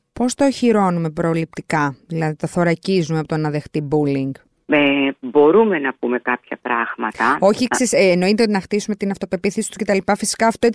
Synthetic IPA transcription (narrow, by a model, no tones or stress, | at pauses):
po̞st̪oçiɾo̞nume̞pɾolip̚t̪ikɐðilɐðit̪ɐθo̞ɾɐcizumeɐpot̪onɐðe̞xt̪ibuliŋɡ | ebo̞ɾume̞nɐpume̞kɐpçɐpɾɐɣmɐt̪ɐo̞çikssesːno̞it̪eot̪inɐxt̪isumet̪inɐft̪o̞pe̞piθesi̥t̪u̥sce̞t̪ɐlipɐfisi̥kɐːft̪o